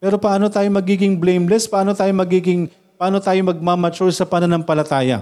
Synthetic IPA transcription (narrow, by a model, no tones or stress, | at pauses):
pɛːɾo̞pɐʔaːno̞t̪aːjo̞mɐɡiːɡɪŋblejmlɛspɐʔaːno̞t̪aːjomɐɡiːɡɪŋ | pɐʔaːno̞t̪aːjomɐɡ̚mamɐt͡ʃʊɹsɐpɐnɐnɐŋpɐlɐt̪aːjɐ̰